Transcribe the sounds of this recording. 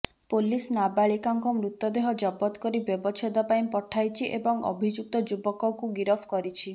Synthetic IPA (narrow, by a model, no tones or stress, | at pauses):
polisnabaɭikaŋkɔmɾut̪ːɔd̪eɦɔd͡ʒɔbɔt̪ɔ̥kɔɾibjɔbɔt͡ʃʰɔd̪ɔpaĩpɔʈʰajt͡ʃʰiʔebɔŋɔ̰bʱid͡ʒuk̚t̪ɔd͡ʒubɔkɔŋkuɡiɾɔpʰkɔɾit͡ʃʰi